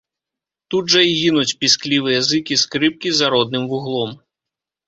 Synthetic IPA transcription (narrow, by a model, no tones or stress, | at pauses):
t̪ud̪ʐɐjɣʲinut͡sʲpʲisklʲivɨjɐzɨkʲiskɾɨp̚kʲizaɾɔd̪̚nɨmvuɣlˠɔm